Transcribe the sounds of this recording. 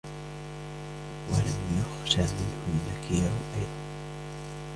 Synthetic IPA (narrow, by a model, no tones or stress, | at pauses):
wa̰lamjʊxʃaːmɪnhʊmːakiːɾʊʔajd̪ˤɑn